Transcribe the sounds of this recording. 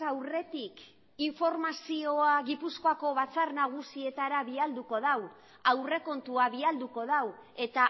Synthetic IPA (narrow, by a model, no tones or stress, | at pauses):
awre̞t̪ik | iɱfo̞ɾmasio̞aɣipusko̞ako̞βat͡sarnaɣ̞usie̞t̪aɾaβiald̪uko̞ð̞aw | awre̞ko̞nt̪uaβiald̪uko̞ð̞awe̞t̪a